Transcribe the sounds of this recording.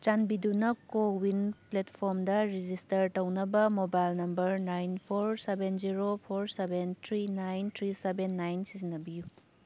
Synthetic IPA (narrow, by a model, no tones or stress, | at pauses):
t͡ʃanbidunɐkowinpletpʰoɾmdɐɾid͡ʒistɐɾtɐwnɐbɐmobajlnɐmbɐɾnajnpʰoɾsebend͡ʒiɾopʰoɾsebentʰɾinajnt̪ʰɾisebenːajnsizinːɐbiju